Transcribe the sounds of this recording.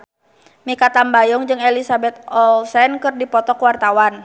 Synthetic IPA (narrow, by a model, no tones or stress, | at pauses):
mikat̪ambajɔŋd͡ʒɨŋelisabɛt̪̚ɔlsɛnkɨrdipɔt̪ɔkwart̪awan